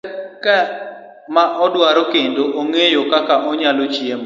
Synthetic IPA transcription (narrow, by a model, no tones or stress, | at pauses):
kɛ | maʔɔdwaɾɔkendoʔoŋejokakaʔɔɲalot͡ʃiem